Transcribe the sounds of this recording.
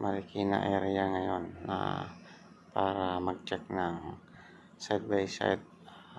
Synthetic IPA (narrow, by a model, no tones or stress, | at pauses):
mʔaɾikina̰ʔɛɾjaŋajonːa̰ | paɾamaɡ̚t͡ʃɛk̚naŋ | sajt̪̚bajsa̰t̪̚